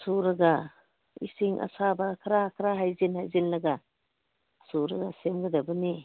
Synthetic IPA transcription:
suɾaɡa | ḭsiŋʔa̰sabakʰɐɾakʰɾaɦajzinhajzinlɐɡa | suɾaɡasemɡɐd̪abɯni

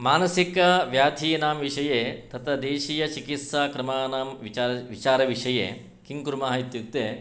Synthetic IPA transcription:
maːnɐsikɐʋjaːt̪ʰiːnaːmʋiʂɐjeːt̪ɐt̪ʰɐd̪eːʃiːjɐt͡ʃikit̪saːkɾɐmaːnaːmʋaʋit͡ʃaːɾɐʋiʂɐjḛː | kiŋkuɾmaːɦit̪juk̚t̪eː

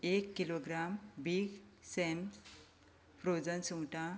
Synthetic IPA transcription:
ekːiloɡɾambiɡsem | pɾod͡zənsuŋʈa

